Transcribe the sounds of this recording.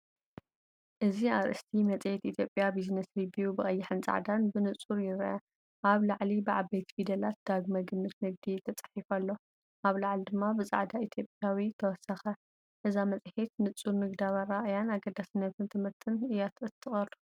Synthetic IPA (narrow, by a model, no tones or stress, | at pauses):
ʔɨziaɾʔɨ̰st̪ʰimɐt͡sʼet̪it̪ʰjo̞pʼjabiznɐsɾibijubɨxʼɐjːɪħɨnt͡sʼa̰ʕd̪anbɨnɨt͡sʼuɾjɪɾʔɐ | ʔaβlaʕlibɨʕabejt̪fid̪ɐlat̪̚d̪̥aɡmɐɡɨmːɨt̪nɨɡ̚d̪it̪ʰɐt͡sʼɐ̥ħifalːo̞ | ʔaβlaʕlid̪ɨmːabɨt͡sʼa̰ʕd̪ait̪ʰjopʼjawit̪ʰɐwɔsɐxɐ | ʔɨzamɐt͡sʼħet̪nɨt͡sʼːuɾnɨɡd̪aβɐɾaʔjanaɡɐd̪asɨnːɐt̪ʰɨnt̪ʰɨmɨɾt̪ʰɨnɨjat̪ɨt̪ʰʼːɨxʼɐɾ